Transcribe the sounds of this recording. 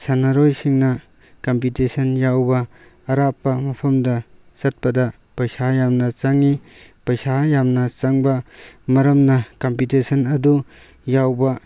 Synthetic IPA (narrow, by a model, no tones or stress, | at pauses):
sanaɾojsiŋnɐ | kɐmp̬itesɐnjawbɐː | ɾapːɐmɐpʰɐmdɐ | sɐt̚pɐdɐ | pɐjsajamnɐt͡ʃaŋi | pɐjsajamnɐt͡ʃaŋbɐmɐɾɐmnɐkampitesʰɐnɐdu | jawbɐ